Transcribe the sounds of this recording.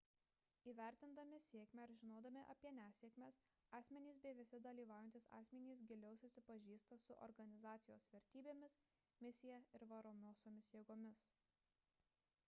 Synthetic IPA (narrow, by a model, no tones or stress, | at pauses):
iːʋʲæˑɾʲt̪ʲɪnd̪ɐmʲɪsʲeɛkmʲɛɾʒʲɪnoːd̪ɐmʲɪʔɐ̰pʲiɛnʲæːsʲeːkmʲeːs | ɑːsʲmʲɛnʲiːsbʲɛʋʲɪsʲɪd̪ɐlʲiːʋɑˑʊjɛnt̪ʲɪsɑ̰ːsʲmʲɛnʲiːs̬ɡʲɪlʲɛʊsʊsʲɪpɐʒʲiːst̪ɐsʊʔɔ̰ɾɡɐnʲɪzɑːt̪sʲɪjoːsʋʲɛɾʲt̪ʲiːbʲeːmʲɪs | mʲɪsʲɪjæɪɾʋɐɾoːmʲoːsoːmʲɪsjeɛɡoːmʲɪs